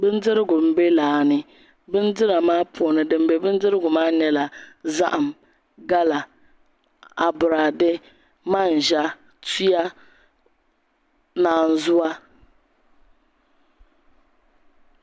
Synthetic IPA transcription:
bɨ˦n˦dɪ˦ɾɪ˦ɡʊ˨m̩˨be˦laː˨nɪ˨ | bɨ˦n˦dɪ˦ɾa˨maː˦pʰɔ˨nɨ˨dɨ˨m˨bɛ˨bɨ˦n˦dɨ˦ɾɪ˦ɡʊ˨maː˦nɛ˨la˨za̰˦ʔa˨m | ɡa˦la˨ | a˨bʊ˨ɾa˨dɪ˦ | ma˦˨n˨ʒa˦ | tu˦a˦ | naː˨n̩˨zʊ˦a˦

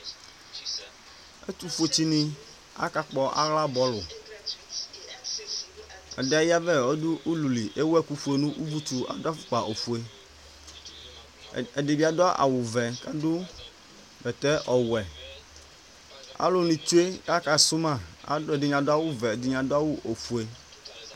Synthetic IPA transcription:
ḛ˦t̪u˦fu˦e˨˦t͡ɕi˦nĩ˨ | a̰˦ka˦k͡pɔ˨ʔa̰˦ɣla˦bɔ˦lʊ˨ | a̰˨dɛ˨a˨ja˦vɛ˦ɔ˦dʊ˦ʔu˦lu˨li˨ʔe˦wɛ˦ku˦ɸu˨e˨nũ˦ʔu˦vu˦t̪u˨a̰˨da˦fʊ̥˦k͡pa˨ʔo˨ɸu˨e˨ | ɛ˨dɪ˨bi˦a˦dɔ˦ʔa̰˨wʊ˨vɛ˨ka˦dʊ˦ | bɛ˨t̪ɛ˦ʔɔ˨wɛ˨ | a̰˦lʊ˦nĩ˨tu˦e˦ka˦ka˨su˦mã˦˨a̰˨˦e˨dɪ˨ɲã˨dʊ˦a˦wʊ˦vɛ˨dɪ˨ɲã˨dʊ˦a˦wu˦ʔo˨fu˨e˨

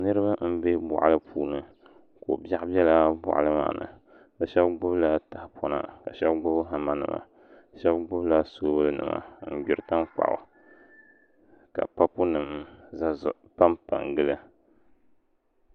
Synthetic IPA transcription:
nɨ˦ɾɨ˦ba˦m̩˦be˦bʊ̰˨ʔa˦lɨ˦pʰuː˦nɨ˦ | ko˨ba˦ʔbjɛ˦la˦bʊ̰˨ʔa̰˨lɨ˦ma̰ː˨nɨ̰˨ | ba˨ʃɛ˦bɡ͡bʊ˦bla˨ta˨hpʰɔ˦na̰˦ka˨ʃɛ˦bɡ͡bʊ˦bɦa˨ma˦nɨ̰˨ma̰˨ | ʃɛ˦bɡ͡bʊ˦bla˦so˦bɨ˦lɨ˦nɨ̰˨ma̰˨˦n̩˨ɡʊ˨ɾɨ˨ta˦mk͡pa̰˨ʔʊ̰˨ | ka̰˨pa˦pʊ˦nɨ˨mza˦zʊ̰˦ | pa˦mpa˨ŋɡɨ˦lɨ˦

